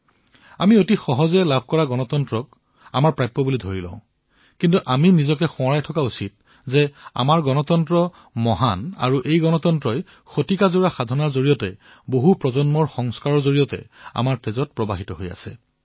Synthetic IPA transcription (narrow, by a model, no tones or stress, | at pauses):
amiotixɔɦɔzɛlab̚ʱkɔɹaɡɔnɔtɔntɹɔk̚ | amaɹpɹajpːɔbulidʱoɹilɔ̰̃ʊ̃ | kintuʔaminizɔkɛxʊ̃aɹajtʰɔkausit̚ | zɛa̰maɹɡɔnɔtɔntɹɔ | mɔɦana̰ɹuʔejɡɔnɔtɔntɹɔj | xotikazuɹaxadʱɔnaɹzoɹijɔtɛ̰ | boɦupɹɔzɔnmɔɹxɔŋskaɹɔɹzoɹijɔtɛ̰a̰maɹpezɔt̚pɹɔbaɦitɔɦoja̰sɛ̰